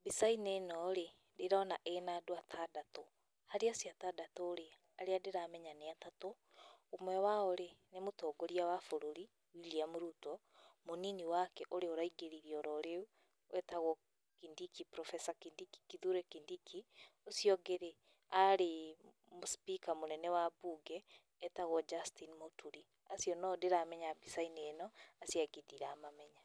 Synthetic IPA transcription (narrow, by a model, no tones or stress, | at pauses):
bisainenɔɾe | deɾanaʔenadwatʰadato | haɾeasjatadatoːɾe | aɾeadeɾaːmɛɲaneatatoː | mwɛwaoɾenemotɔːɡoɾiawafoɾoɾi | wiliamoɾutɔ | moniniwakɛʔoɾeoɾaiɡeɾiɾiɔɾɔɾeu | wʔɛtaɣɔ | kindikipɾɔfɛsakindiki̥kiðuɾɛkindikʰiosijɔɡeɾe | aɾe | mospikamonɛnɛwabuɡɛː | taɣɔd͡ʒastinimotʰuɾi | asjɔnɔdeɾamɛɲabisainenɔasjaɡediɾaːmamɛɲa